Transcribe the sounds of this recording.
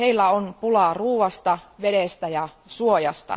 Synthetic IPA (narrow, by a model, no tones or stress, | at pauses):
eilːæonpulɑˑruːʋɑst̪ɑʋedest̪æjɑsuojɑst̪ɑ̰